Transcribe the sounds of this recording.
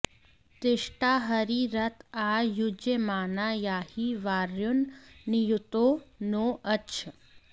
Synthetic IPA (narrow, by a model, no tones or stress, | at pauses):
t̪eʂʈaːɦəɾiɾət̪ʰaːjud͡ʒemaːnajaːhiʋaːɾjunːijut̪onoʔɐt͡ʃʰə